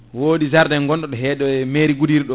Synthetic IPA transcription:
woːɗizaɾdɛŋɡɔnɗɔɗɔɦɛːɗɔɛmeːɾiɡudiɾɗɔ

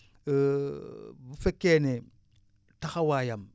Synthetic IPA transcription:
bufekːene | taxawajam

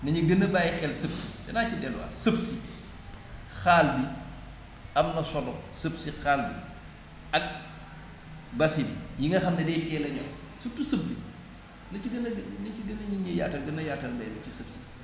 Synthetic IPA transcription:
nɐɲuɡənːɐbaːjxɛlsəpsidɐnaːcidɛlwɐ̰səbsi | xaːlbi | ɐmnɐsɔlɔsəbsixaːlbḭ | ɐk̚ | bɐsibijiŋɡɐxɐmnɐdɛːtɛːlɐɲɐ̰w | sutusəbːi | nɐiɡɐnnɐiɡənɐɲiɲɐja̰ːtːɐɡɐnːɐjatːɐlbɐjnɐcisəpsi̥

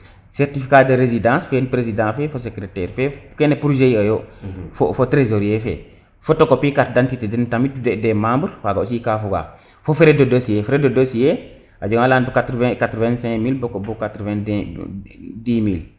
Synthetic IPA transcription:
sɛɾtifikadəɾezidãːsfenpɾezidãːfɛfosekɾetɛːɾfɛkenepɾud͡ʒeiɐjofofotɾezoɾijefɛ̰ | fotokopikat̚dantitedentamitudɛdemãːmbəɾwaɡaosikafuɡa̰ | fofeɾedodosijefɛɾedodosije | ʔad͡ʒoŋalaːnbukatɾvɛ̃katɾɔvɛ̃nsɛ̃kmilbokobukatɾvɛ̃n | dimil

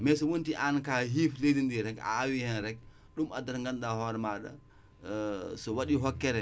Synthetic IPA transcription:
mɛsɔwontiʔankaɦifledindiɾɛka̰ːwihɛnɾɛk̚ | ɗumadaɾŋɡanɗahɔɾmaɗa̰ | sɔwaɗiɦɔkːɛɾɛ

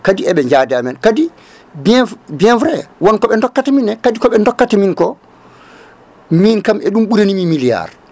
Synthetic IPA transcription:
kadiɛɓɛɲd͡ʒaːdɛamɛnkadi | bɛbiɛnfɾɛwɔnkɔɓɛndɔkːatɛminɛkadikɔɓɛndɔkːatɛminkɔ | minkamɛɗumɓuɾenimimilija̰ɾ

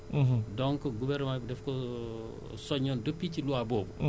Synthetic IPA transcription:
dɔŋkɔɡuvɛrnmaːbdɛfkɔ | sɔɲːɔndəpːiciluwabɔːbu

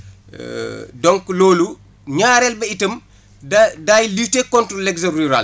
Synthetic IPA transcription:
dɔŋkloːlu | ɲaːɾɛlbɐitəm | dajlitːekɔntɾɔlɛɡzɐɾiɾa̰l

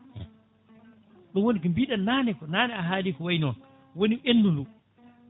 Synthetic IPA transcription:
ɗɔnwonikɔmbiɗannaːnɛkɔnaːnɛaɦaːliːkɔwajnɔn | wonienːdundu

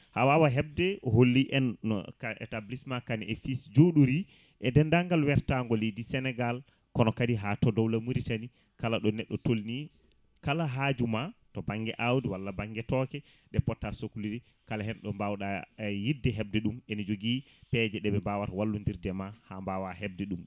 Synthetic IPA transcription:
hawawaɦɛb̚dɛɔɦolːiʔɛn̰ːkaʔɛ̰tablismakaniʔɛfisd͡ʒoɗuɾi | ʔɛdɛndaŋɡalwɛɾtaŋɡɔledisɛnɛɡal | kɔnɔkadiɦatɔdɔwlamuɾitani | kalaɗɔnɛɗːɔtolni | kalaɦad͡ʒumatɔbaŋɡɛʔawdiwalːabaŋɡɛtɔkɛ | ɗɛpɔtːasokuliɾi | kalaɦɛnɗɔmbawɗajidɛɦɛb̚dɛɗumenid͡ʒoɡi | pɛd͡ʒɛɗɛbɛmbawatwalːundiɾdɛmahambawahɛb̚dɛɗum

